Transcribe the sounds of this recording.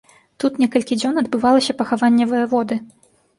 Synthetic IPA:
t̪ut̪nʲɛkɐlʲkʲid͡zʲɔnɐd̪̚bɨvalˠɐsʲɐpɐxavanʲːɛvɐjɛvɔd̪ɨ

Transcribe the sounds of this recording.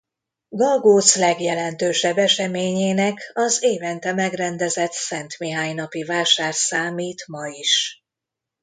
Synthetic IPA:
ɡɒlɡoːt̪slɛɡjɛlɛnt̪øːʃɛbːɛʃɛmeːɲeːnɛkɒzeːvɛnt̪ɛmɛɡrɛnd̪ɛzɛt̪sɛnt̪miɦaːɲnɒpivaːʃaːrsaːmiːt̪mɒiʃ

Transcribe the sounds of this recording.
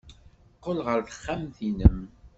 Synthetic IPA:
qːolʁəɾθə̥χːæmθinəm

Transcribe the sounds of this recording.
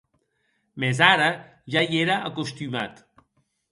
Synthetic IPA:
mezaɾə | ʒajeɾaʔəkust̪yma̰t̪

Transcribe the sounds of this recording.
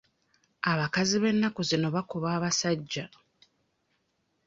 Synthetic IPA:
aβakaziβe̞nːakuzino̞βakuβaːβasaɟːa

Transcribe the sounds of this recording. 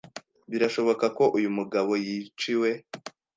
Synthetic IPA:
βiɾaʃo̞βo̞kako̞ʔujumuɡaβo̞jit͡ʃiwe̞

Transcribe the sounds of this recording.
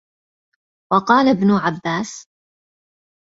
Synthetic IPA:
wɑqɑːlabnʊʕabːaːs

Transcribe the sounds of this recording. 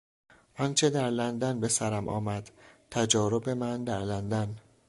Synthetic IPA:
ʔɒnt͡ʃʰe̞d̪æɾlænd̪ænbe̞sæɾæmʔɒ̰ːmæd̪̥t̪ʰæd͡ʒɒːɾobe̞mænd̪æɾlænd̪æn

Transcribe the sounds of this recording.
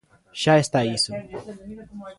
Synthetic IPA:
ʃaest̪aisu

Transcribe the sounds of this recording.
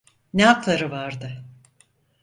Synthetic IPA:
nɛaklˠaɾɯvaɾd̪ɯ

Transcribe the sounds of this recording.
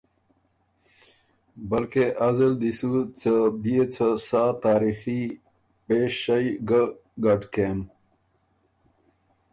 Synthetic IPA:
bəlkeʔazəld̪isut͡səbijet͡sʰəsaːt̪aːɾixi | peɕajɡ | ɡaʈken

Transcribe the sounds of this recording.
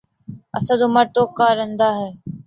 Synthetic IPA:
ə̰sãːd̪ʊməɾt̪oːkaːɾẽnd̪aːɦeː

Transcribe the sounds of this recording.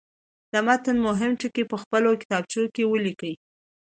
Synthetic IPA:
d̪amat̪ənmʊɦɪmʈəkepəxpəlokɪ̥t̪ɑb̚t͡ʃokewəlikəj

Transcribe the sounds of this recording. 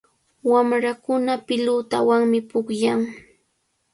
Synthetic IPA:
wamɾakʊnapɪlʊt̪awaŋmɪpʊkjaŋ

